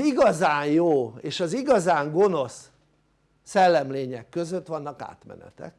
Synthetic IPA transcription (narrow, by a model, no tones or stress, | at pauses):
iɡɒzaːnjoːeːʃɒziɡɒzaːŋɡo̞no̞sː | ɛlːɛmleːɲɛkːø̞zøt̪ːʋɒnːɒka̰ːt̪mɛ̰nɛ̰t̪ɛ̰k